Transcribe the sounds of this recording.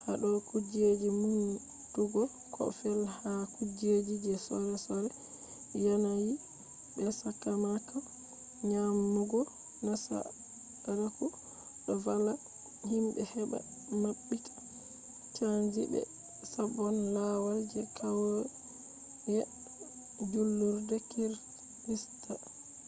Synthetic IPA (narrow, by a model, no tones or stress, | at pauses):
haɗɔkud͡ʒed͡ʒimun | tuɡɔ | kʰɔ̰fɛlhakud͡ʒed͡ʒid͡ʒɛsɔɾɛsɔɾɛ | janaji | bɛsakːamaka | ɲamːuɡɔ | nasa̰ | ɾaku | ɗɔvala | himbɛhɛba̰ | maɓːikḁ | t͡ʃand͡ʒḭbɛ̰ | sabɔnlawad͡ʒɛkʰawɔ | jɛ | d͡ʒulːuɾdɛkiɾ | lista